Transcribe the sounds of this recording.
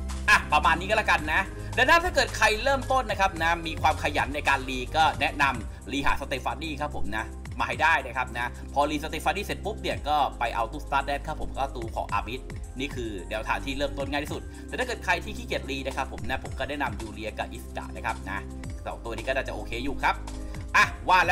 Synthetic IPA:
ʔa˨˩pɾa˧maː˧nːiː˦˥kɔ˥˩lɛ˥˩ka˧nːa˦˥ | nɛː˦˥˩wna˦˥˩t̪ʰaː˥˩kɤː˨˩t̪̚kʰa˧jlɤː˥˩mt̪o˥˩nːa˦˥kʰa˦˥p̚na˦˥miː˧kʰwaː˧mkʰa˧ja̰˩˦nːa˧jkaː˧nliː˧kɔː˥˩nɛ˦˥ʔna˧m | liː˧ɦa̰ː˩˦sa˧t̪eː˨˧˩faː˧niː˥˩kʰa˦˥pʰːo˨˩˦mna˦˥ | maː˧ha˥˩jdaː˥˩jna˦˥˩kʰa˦˥p̚na˦˥ | pʰɔː˧liː˧sa˧t̪e˨˧˩fa˧niː˥˩se˨˦˩t̪̚bu˦˥p̚ni˧˩ɐkɔː˥˩pa˧jʔa˧wt̪uː˧˩st̪aː˦˥t̪̚dɛː˥˩nkʰa˦˥pʰːo˩˦mkɔː˥˩t̪uː˧kʰɔ̰ː˩˦ʔa̰ː˧bi˦˥t̪̚ | niː˥˩kʰɯː˧nɛː˨˦wt̪ʰaː˨˦nt̪ʰiː˥˩lɤː˥˩mt̪o˥˩nŋaː˥˩t̪ʰiː˥˩u˨˩t̪̚t̪ɛː˨˩t̪aː˥˩kːɤː˨˩t̪̚kʰa˧jt̪ʰiː˥˩kʰiː˧˥˩ki˨˩ət̪̚liː˧na˧˥˩kʰa˦˥pʰːo˨˩˦mna˦˥pʰo˨˩˦mkɔː˥˩naɛ˥˩na˧mjuː˧li˧ɐka̰˨˩p̚ʔi˦˥ska̰˨˩na˦˥kʰa˦˥p̚na̰˦˥ | sɔ̰ː˨˩˦ŋt̪u˧ɐniː˦˥kɔː˥naː˥˩t͡ɕa˨˩ʔoː˧kʰeː˧juː˨˩kʰa˦˥p̚ | ʔa˧˩waː˥˩lː

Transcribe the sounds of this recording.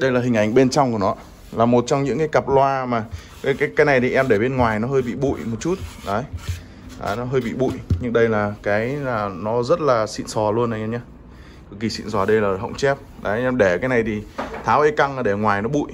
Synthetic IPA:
ɗə˧jlaː˨˩ï˨˩ŋ̟ʔa˨˩jŋ̟ɓe˧nt͡ɕɔ˧wŋ͡mku˧˩ənɔ˨˦ | laː˨˩mo˨˩t̚t͡ɕɔ˧wŋ͡mɲɨ̰˧˥ŋkaː˨˦jka˨˩p̚lwaː˧maː˨˩ | kaː˨˦jkaː˨˦jkaː˨˦jna˨˩jt̪ʰi˨˩ʔɛ˧mɗe˧˩ɓe˧nŋwaː˨˩jnɔ˨˦ɦəː˧jɓḭ˧˨ɓṵ˧˨jmo˨˩t̚t͡ɕu˦˥t̚ɗə˨˦j | a˨˦nɔ˨˦ɦəː˧jɓḭ˧˨ɓṵ˧˨jɲɨ˧ŋɗə˧jlaː˨˩kaː˨˦jlaː˨˩nɔ˨˦zə˦˥t̚laː˨˩sḭ˧˨nsɔ˨˩lu˧ənə˨˩ɲa˧ɲaː˧ | kki˨˩sḭ˧˨nzwɔː˨˩ɗə˧jlaː˨˩ɦə̰˧˨wŋ͡mt͡ɕɛ˦˥p̚ɗə˨˦jʔɛ˧mɗe˧˩kaː˨˦jna˨˩jt̪ʰi˨˩t̪ʰaː˨˦wʔə˧jka˧ŋaː˨˩ɗe˧˩ŋwaː˨˩jnɔ˨˦ɓṵ˧˨j

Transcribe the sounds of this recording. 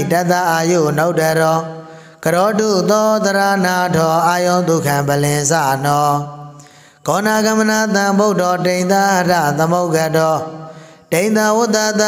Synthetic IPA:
ta˦ʔ̪a˦ʔa˨jo̰˦˨no˦ʊtɛ˨ɾɔ˨ | ɡ̥əɾɔ˨˦dṵ˦˨t̪ɔ˦t̪əɾa˦na˨dɔ˨ʔa˦jõ˦ʊ̃nt̪u˨kʰã˨mbə˨lɪ̃˨sa̰˦˨nɔ˨ | ɡ̥ɔ˨na˨ɡa˨məna˦˨t̪ã˨mbo˦ʊtɔ˨tẽ˨ɪ̃nt̪a˦hə˨da̰˦˨t̪ə˨mo˦ʊka˦˨dɔ˨ | tẽ˨ɪ̃nt̪ã˨wʊ˦t̪a˦a˦

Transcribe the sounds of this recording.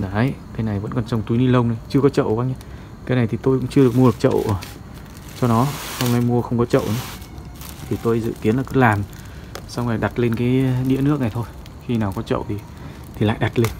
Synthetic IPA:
na˨˦jkaː˨˦jna˨˩jvə̰˧˥nkɔ˨˩nsə˧wŋ͡mt̪u˨˦jni˧lə˧wŋ͡mna˨˦jt͡ɕɨ˧əkɔ˨˦t͡ɕə̰˧˨wkaː˧˦ŋɲa˧˦ | kaː˨˦jna˨˩jt̪ʰi˨˩t̪o˧jkʊ̰˧˥ŋ͡mt͡ɕɨ˧ə˧ɨ˨˩ək̚m˧ɨ˨˩ək̚t͡ɕə̰˧˨wə˨˩ | t͡ɕɔ˧nɔ˨˦swŋ͡mŋa˨˩jmu˧əxə˧wŋ͡mkɔ˨˦t͡ɕə̰˧˨wʔnə˨˦ | t̪ʰi˨˩t̪o˧jzɨ̰˧˨ki˨˦ənla˨˩kɨ˨˥laː˨˩m | sa˧wŋ͡mŋa˨˩jɗa˨˩t̚le˧nkaː˨˦jɗḭ˧˥ənɨ˦˥ək̚na˨˩t̪ʰo˧j | xi˧naː˨˩wkɔ˨˦t͡ɕə̰˧˨wt̪ʰi˨˩ | t̪ʰi˨˩la̰ː˧˨jɗa˨˩t̚le˧n

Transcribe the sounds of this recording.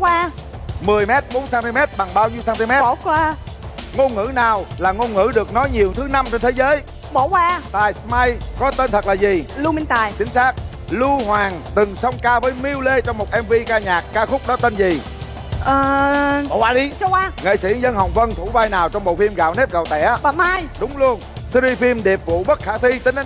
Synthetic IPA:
kwaː˧ | mɨ˨˩əjmɛ˦˥t̚ɓo˨˦nsaː˧nt̪i˧mɛ˦˥t̚ɓa˨˩ŋɓaː˧wɲi˧wsaː˧nt̪i˧mɛ˦˥tkwaː˧ŋo˧nŋɨ̰˧˥naː˨˩wlaː˨˩ŋo˧nŋɨ̰˧˥ɗɨ˨˩ək̚nɔ˨˦jɲi˨˩əwt̪ʰɨ˨˦na˧mt͡ɕe˧nt̪ʰe˨˦zəː˨˦j | ɓo˧˩kwaː˧t̪aː˨˩jsma˧jkɔ˨˦t̪e˧nt̪ʰə˨˩t̚lːzi˨˩lu˧mi˧nt̪aː˨˩jt͡ɕï˨˦ŋ̟saː˦˥k̚ | lu˧hwaː˨˩ŋt̪ɨ˨˩ŋsə˧wŋ͡mkaː˧vəː˨˦jmi˧wle˧t͡ɕɔ˧wŋ͡mmo˨˩t̚ʔɛ˧mvi˧kaː˧ɲaː˨˩k̚ːaː˧xʊ˦˥k͡p̚ɗɔ˨˦t̪e˧nzi˨˩ | ʔəː˨˩ɔ̰˧˦waː˧˦ɗi˧t͡ɕɔ˧kaː˧ŋḛ˧˨jsḭ˧˩zə˧nɦə˨˩wŋ͡mvə˧nt̪ʰu˧˩vaː˧jnaː˨˩wt͡ɕɔ˧wŋ͡mɓo̰˧˨fi˧mɣa̰ː˧˨wne˦˥p̚ɣə˨˩wt̪ɛ̰˧˥ɓaː˨˩maː˧jɗʊ˨˦ŋ͡mlu˧ən | si˧ɾi˧fi˧mɗe˨˩p̚vṵ˧˨ɓə˦˥t̚xaː˧˩t̪ʰwi˧t̪ï˨˦ŋ˨˦

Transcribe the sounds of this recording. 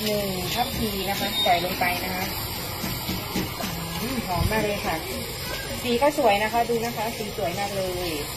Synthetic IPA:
nɯ˨˩ŋt̪ʰa˥˩mt̪ʰiː˧na˦˥kʰa˦˥t͡ɕa˨˩jlo˧ŋpa˧jna˦˥kʰa˦˥ʔ | kʰɔː˨˩˦ŋmaː˥˩k̚lɤː˧jkʰa˧˥˩ | siː˨˦kɔː˥˩su˨˩˦əjna˦˥kʰa˦˥duː˧na˦˥kʰa˦˥siː˨˩˦su˨˩˦ə˦jmaː˥˩k̚lɤː˧j

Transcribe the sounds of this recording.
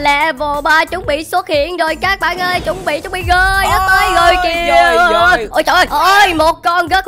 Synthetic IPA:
lɛ̰˧˨vo˨˩˨ɓaː˨˧˩t͡ɕʊ˨˦ŋ͡mɓḭ˧˨swə˦˥t̚hḭ˧˨ənzo˨˩jkaː˦˥k̚ɓa̰ː˧˨nʔəː˧jt͡ɕʊ˨˦wŋ͡mɓḭ˧˨t͡ɕʊ˨˦ŋ͡mɓḭ˧˨ɣəː˧˩jt̪əː˨˦jɣo˨˩jki˨˧ | jʔəː˧˩jt͡ɕɔ̰˧˨nʔəː˧˩jʔə˧˩jmo˨˩t̚kɔ˧nɣə˦˥t̚

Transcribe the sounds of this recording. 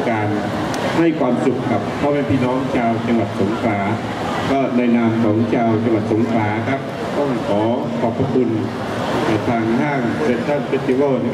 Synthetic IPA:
kaː˨n | ha˧˥˩jkʰwaː˧msu˨˩k̚kʰːa˦˥p̚pʰɔː˧˩mɛː˧˩pʰiː˥˩nɔː˦˥ŋt͡ɕʰaː˧wt͡ɕa˧ŋwa˨˩t̪̚so˨˩˦ŋkʰlaː˩˦ | kɔː˧˥˩naː˧˩jnaː˧mkʰɔː˩˦ŋt͡ɕʰaː˧wt͡ɕa˧ŋwa˨˩t̪̚so˨˩˦ŋkʰlaː˩˦kʰa˦˥p̚ | t̪ɔ˥˩ŋkʰɔː˩˦ | kʰɔː˨˩pʰːa˧k̪ʰu˧n | na˧˩jt̪ʰaː˧ŋdaː˥˩ŋse˧˩t̪t̪ʰaː˥˩npe˦˧˥t̪ːi˧wɤː˥˩

